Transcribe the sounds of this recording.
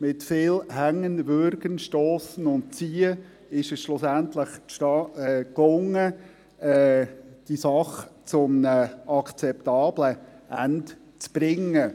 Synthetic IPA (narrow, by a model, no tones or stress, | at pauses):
mɪtfɪːlhæŋːənvʏɾɡənʃtoːsənʊnt̚t͡siːə | ɪʃɛsʃlʊsænt̪ləχʃtɑklʊŋːə | ɛːd̥isɑχt͡sʊmnəɑkʰt͡sɛptɑːbləʔæ̰nt | t͡sb̥ɾɪŋːə